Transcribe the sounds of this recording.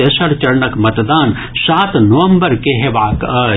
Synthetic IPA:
esɐɾt͡ʃɐɾnəkmɐt̪d̪aːn | saːt̪nɐʋə̃mbəɾkeɦeʋaː

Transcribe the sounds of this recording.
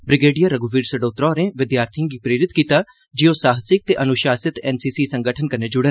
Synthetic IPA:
bɾɪɡeːɖijaːɾəɡuʋiːɾsəɖoːt̪ɾɔːɾẽːʋɪd̪jaːɾt̪ʰijãːɡiːpɾeːɾɪt̪kiːt̪aː | d͡ʒioːsaːɦəsɪk̚t̪eːʔənʊʃaːsɪt̪ɛːnsiːsiːsəŋɡəʈʰənkəneːd͡ʒʊɽən

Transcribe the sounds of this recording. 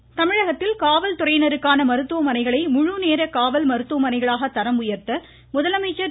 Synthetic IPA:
t̪ɐmɪɻɐɣɐt̪ːɪlkaːʋɐlt̪ʊɾɐɪnɐɾɯkːaːnɐmɐɾɯt̪ːɯʋɐmɐnɐɪɣɐɭɐɪmʊɻuneːɾɐkaːʋɐlmɐɾɯt̪ːɯʋɐmɐnɐɪɣɐɭaːɣɐt̪ːɐɾɐmʊjɐɾt̪ɐ | mʊðɐlɐmɐɪt͡ʃːɐ

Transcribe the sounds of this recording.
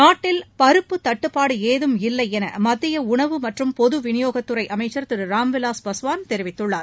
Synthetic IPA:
naːʈːɪlpɐɾɯpːɯt̪ːɐʈːɯpːaːɽɯeːðɯmɪlːɐɪɛnɐ̰mɐðːɪjɐʊɳɐʋɯmɐʈrɯmpɔðɯʋɪnɪjoːɣɐt̪ːɯɾɐɪʔɐmɐɪt͡ʃːɐɾt̪ɪɾɯɾaːmʋɪlaːspɐsʊʋaːnt̪ɛɾɪʋɪt̪ːɯɭːaːɾ

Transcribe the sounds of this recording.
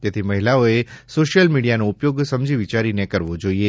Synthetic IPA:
t̪et̪ʰiməɦilaoesoʃjəlmiɽijanoupjoɡsəmd͡ʒiʋit͡ʃaɾinekəɾʋod͡ʒoie

